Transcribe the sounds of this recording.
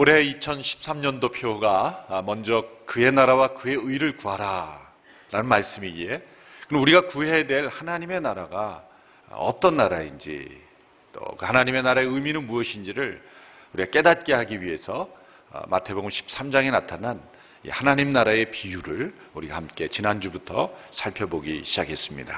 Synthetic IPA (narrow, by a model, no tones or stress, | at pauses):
oɾe̞it͡ɕʰʌnɕʰi̥p̚s͈amɲʌndopʰjoɡamʌnd͡ʑʌkɯe̞naɾawakɯe̞ɯiɾɯɭkuɦaɾa | ɾanɯnmaɭs͈ɯmie̞ | kɯnuɾiɡakuɦe̞dwe̞ɭhanaɲime̞naɾaɡa | ʌ̰t͈ʌnːaɾaind͡ʑḭ | t͈o̰kɯhanaɲime̞naɾae̞ɯminɯnmuʌɕʰind͡ʑiɾɯɭuɾiɡak͈e̞dat̚k͈e̞ɦaɡiɥiɦe̞sʰʌ̰ | mʔa̰tʰe̞boɡɯmɕʰi̥p̚s͈amd͡ʑaŋe̞natʰanan | ḭhanaɲimnaɾae̞pijuɾɯɭ | uɾiɡa̰hamk͈e̞t͡ɕinand͡ʑubutʰʌ̰sʰaɭpʰjʌboɡiɕʰid͡ʑakʰe̞s͈ɯmɲḭda̰